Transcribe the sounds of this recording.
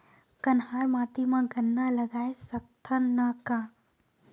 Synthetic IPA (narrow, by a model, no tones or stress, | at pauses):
kənɦaːɾmaːʈ̪imãɡənːalɐɡaːesɐk̚t̪ʰãnəkaː